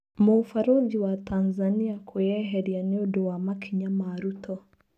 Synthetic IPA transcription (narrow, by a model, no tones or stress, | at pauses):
mufaɾod͡ʒiwatanzaniakʰujɛɦɛɾjaneodowamakʰiɲamaɾutʰɔ